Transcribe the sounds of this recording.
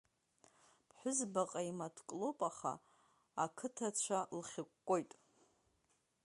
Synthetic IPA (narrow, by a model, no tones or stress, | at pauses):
pʰħʷᶣʊzbaqʼaimatʰkʼlopʼaχa̰ | akʰɨtʰat͡ɕʷʰalχʲɪkʷʼːojtʼ